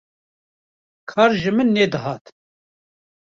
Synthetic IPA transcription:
kʰɑːɾʒɨmɨnːeːd̪ɨɦɑːt̪

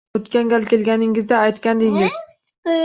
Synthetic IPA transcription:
ot̪kʲaŋɡʲalkʲʰe̞lɡʲanɪŋɪzd̪aːjt̪kʲand̪ɪŋɪz̥

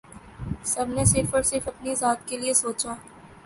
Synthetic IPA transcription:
sɐbnesɪɾfəɾsɪɾfɐpnizaːt̪keliesoːt͡ʃaː

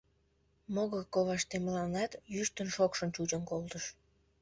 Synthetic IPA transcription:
moɣəkoβɑʃt̪eməlɑnːɑt̪jyʃt̪ənʃokʃə̆nt͡ɕut͡ɕənkolt̪əʃ

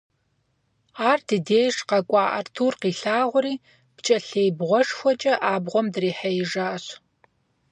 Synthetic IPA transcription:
aːrdʰɨdeːjʂqɐkʷʼɑːʔɐrtʰuːrqiːɬaːʁʷʊɾiː | b̥t͡ʃʼɐɬeːjbʁʷɔʂxʷɔt͡ʃʼɐʔaːbʁʷɔmdriːħɐjɪʐaːɕ

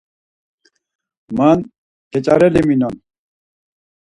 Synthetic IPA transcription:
man | kʰɛt͡ʃʼaɾɛliminɔn

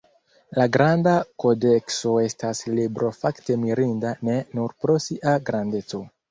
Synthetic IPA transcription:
laɡɾandako̞de̞kso̞e̞staslibɾo̞fakte̞miɾindane̞nuɾpɾo̞siʔaɡɾande̞t͡so̞

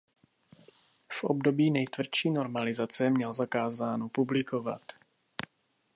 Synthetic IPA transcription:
fʔobdo̞biːnɛjt̪vr̩ʃiːno̞ɾmalɪzat͡sɛmɲɛlzakaːzaːnopublɪko̞va̰t̪

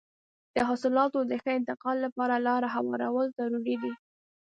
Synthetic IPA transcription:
d̪̥əɦɑsɪlɑt̪od̪əxəɪnt̪ɪqɑlːapɑɾalɑɾaɦawɑ̰ɾawəlt̪aɾuɾid̪i

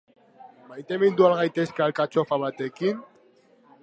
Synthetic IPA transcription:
majt̪e̞mind̪ualɣajt̪e̞skealkat͡ʃofaβat̪e̞kin

